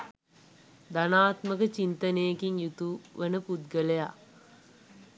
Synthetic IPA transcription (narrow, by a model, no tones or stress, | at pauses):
d̪anaːt̪məkət͡ʃint̪ənejekiŋjut̪uʋenəpud̪ɡəleja